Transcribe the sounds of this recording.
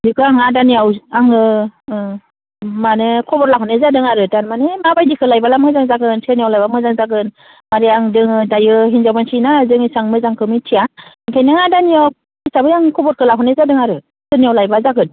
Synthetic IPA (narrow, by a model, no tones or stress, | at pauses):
dikʰɯaŋadaniawaŋɯ | manɯkʰɔbɔɾlakʰɔnezadɯŋaɾɯtaɾmanemabajdikʰɯlajbalamɯzaŋzaɡɯnsɯniawlajbamɯzaŋzaɡɯn | maɾiaŋdɯŋɯdajɯɦinzawbansinazɯŋisaŋmɯzaŋkʰɯmitʰijaiŋkʰajnaŋadaniaw | isabɯjaŋkʰɔbɔɾkʰɯlaɦʰɔnezadɯŋaɾɯ | sɯnijawlajbazaɡɯn